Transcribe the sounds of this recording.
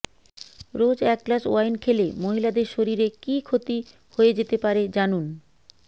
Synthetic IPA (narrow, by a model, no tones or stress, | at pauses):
ɾod͡ʑɛk̚ːlaʃo̰ajnkʰelemoɦilad̪eɾʃoɾiɾekikʰot̪i | hoed͡ʑet̪epaɾed͡ʑanun